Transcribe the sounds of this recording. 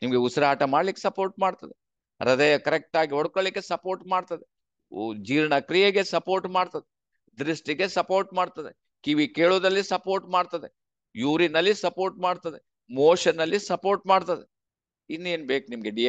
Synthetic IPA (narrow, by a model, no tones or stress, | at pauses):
nimɐɡe̞usɐɾɐaːʈɐmaːɖlikːesɐpoːɾʈ̚maːɖt̪ɐd̪e | ɾɐd̪ɐjɐkɐɾek̚ʈaːɡiɦɔɽkoɭlikːesɐpo̞ːɾʈmaːɖt̪ɐd̪e | d͡ʒiːɾɐɳɐkɾijɐɡe̞sɐpoːɾʈmaːɖt̪ɐd̪e | d̪ɾisʈiɡe̞sɐpo̞ːɾʈ̚maːɖt̪ɐd̪ḛ | kiʋikeːɭoːd̪ɐlːisɐpo̞ːɾʈmaːɖt̪ɐd̪e | juːɾinɐlːisɐpoːɾʈmaːɖt̪ɐd̪e | moːʂɐnːɐlːisɐpo̞ːɾʈmaːɖt̪ɐd̪e | inːue̞ːnbeːkunimɐɡeɖi